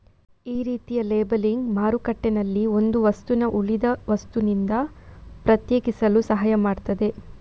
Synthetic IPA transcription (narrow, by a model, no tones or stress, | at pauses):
iːɾiːt̪ijɐleːbɐliŋɡmaːɾukɐʈːenɐlːio̞nd̪uʋɐst̪unɐʔuɭid̪ɐʋɐst̪unind̪ɐpɾɐt̪jeːkisɐlusɐɦaːjɐmaːɖt̪ɐd̪e̞